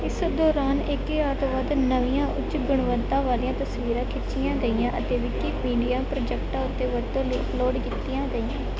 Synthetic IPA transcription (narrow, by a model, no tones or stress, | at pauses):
ɪsd̪ɔːɾaːnɪkeaːɾt̪oːʋəd̪nəʋijãːʔʊt͡ʃɡʊɳʋənt̪ãːʋaːliːãːt̪əsʋiːɾãːkʰɪtt͡ʃijãːɡəiːjãːʔət̪eːʋiːkimiːɖijaːpɾoːd͡ʒɛkʈãːʊt̪ːeːʋət̪õːliːəploːɖkɪt̪ːijãːɡəiːãː